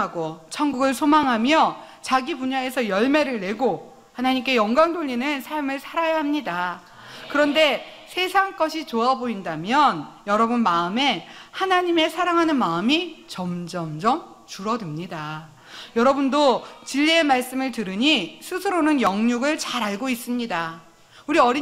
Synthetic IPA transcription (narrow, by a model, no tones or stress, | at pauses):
ɡot͡ɕʰʌŋɡuɡɯɭsʰomaŋɦamjʌ | t͡ɕaɡipuɲae̞sʰʌjʌɭme̞ɾɯɭne̞ɡo | hanaɲimk͈e̞jʌŋɡwaŋdoʎːinɯnsʰaɭmɯɭsʰaɾajaɦamɲida | kɯɾʌnde̞ | sʰe̞sʰaŋk͈ʌɕʰit͡ɕoaboindamjʌnjʌɾʌbunmaɯme̞hanaɲime̞sʰaɾaŋɦanɯnmaɯmit͡ɕʌmd͡ʑʌmd͡ʑʌm | t͡ɕuɾʌdɯmɲida | jʌɾʌbundot͡ɕiʎːiemaɭs͈ɯmɯɭtɯɾɯɲisʰusʰɯɾonɯnjʌŋɲuɡɯɭt͡ɕaɾaɭɡois͈ɯmɲida | uɾiʌɾi